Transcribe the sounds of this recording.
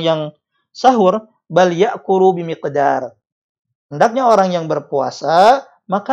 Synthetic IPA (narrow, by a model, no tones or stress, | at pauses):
jaŋ | saɦʊr | baljaʔkuɾubimiqdar | həndak̚ɲaoɾaŋjaŋbərpua̰sa | maka